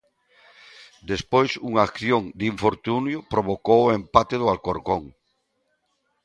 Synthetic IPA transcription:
d̪espojsuŋaakθjoŋd̪iɱfoɾt̪unjʊpɾoβ̞okowoempat̪eðʊalkoɾkoŋ

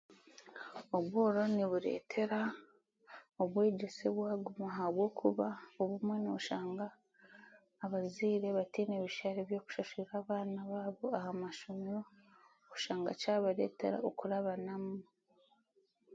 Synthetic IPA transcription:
oβwoːɾo̞niβuɾe̞̰ːtʰe̞ɾa | oβwe̞ːɟe̞seβwaːɡumaɦaβwo̞ːkʰuβaoβumwe̞noβuʃaːŋɡaː | βaziːɾe̞βatineβiʃaɾeβjo̞ːku̥ʃaʃiɾaːβaːnaβaːβo̞ahamaʃumiɾo | kuʃaːŋɡa̰t͡ʃaːβaɾe̞̰ːte̞̰ɾa̰okuɾaβanamu

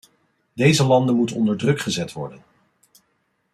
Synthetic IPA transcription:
dejzəlɑndəmutənɔndəɹdrɵkχəzɛtʋɔ̰ɹdən

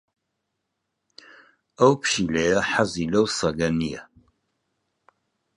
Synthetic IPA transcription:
ɐwpʰʃilɛjɐħazilɐwsɐɡɐnija̰

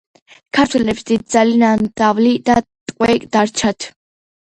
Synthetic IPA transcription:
kʰaɾt̪ʰwɛlɛpsd̪id̪̚d̪zalinand̪avlid̪at̪ʼqʼwɛkʼd̪aɾt͡ʃʰat̪ʰ

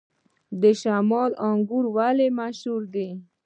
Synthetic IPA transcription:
d̪əʃamɑlɑŋɡuɾwalemaʃhuɾd̪e

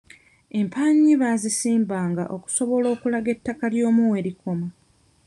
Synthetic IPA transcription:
e̞mpʰaɲːiβaːzisiːmbaːŋɡa̰ʔo̞ku̥so̞βo̞lo̞ːkulaɡe̞tːakaljo̞ːmuwe̞ɾikʰo̞ma

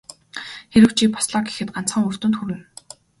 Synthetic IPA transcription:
xeɾɘ̆wt͡ɕʰiːkpʰɔ̥sɮɔːɡe̥xɘ̆t̪̚ɢan̥t͡sχə̆ŋɵr̥t̪ɵ̆nt̪xuɾɘ̆n

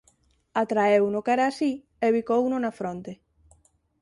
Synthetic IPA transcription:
at̪ɾaewnʊkɛɾaːsi | eβikownʊnafɾont̪e

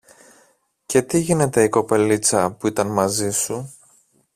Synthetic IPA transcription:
ce̞t̪iʝine̞t̪e̞iko̞pe̞lit͡sɐpuit̪ɐnmɐzisu

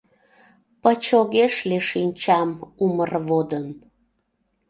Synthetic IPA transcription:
pət͡ɕoɣeʃleʃinʲt͡ɕɑmumərβod̪ən

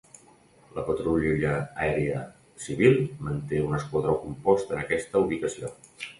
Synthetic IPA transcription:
ləpət̪ɾuʎuʎəːɛɾeə | siβilˠmənt̪eunəskwəðɾawkumpɔst̪ənəkɛst̪əuβikəsio

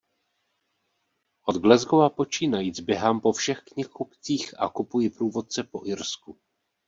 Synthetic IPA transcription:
ʔo̞d̪ɡlɛzɡovapo̞t͡ʃiːnajiːzbjɛɦampo̞fʃɛxkɲɪxupt͡siːxa̰kupujɪpɾuːvo̞t̪̚t͡sɛpo̞ʔɪɾsku

